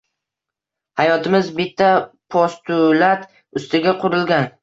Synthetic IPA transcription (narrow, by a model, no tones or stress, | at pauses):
hajɒt̪ʰɪmɪzbɪt̪ʰːapʰɒst̪ʰʊlat̪ | ʊst̪ɪɡʲaqʰʊɾɪlɡʲan